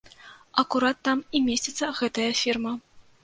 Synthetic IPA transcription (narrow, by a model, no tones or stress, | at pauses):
ɑkuɾɑt̪ːɑmimʲesʲet̪səɣɛt̪əjəfʲirmə